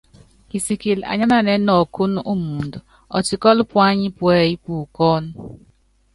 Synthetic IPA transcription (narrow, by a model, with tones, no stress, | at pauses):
ki˨si˨ki˨la̰˨ɲa˦na˦˨ne˦nɔ˨kʊ˦nʊ˦ʔu˦mu˨n˨dʊ˨ | ɔ̰˨t͡ʃi˨kɔ˦lʊ˦pʊ˦a˦ɲɪ˦pwe˨ji˦pu˨kɔ˦nʊ˦